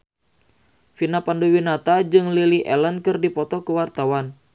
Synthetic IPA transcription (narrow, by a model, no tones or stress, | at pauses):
finapandowinat̪ad͡ʒɨŋliliʔɛlənkɨrdipɔt̪ɔkəwart̪awan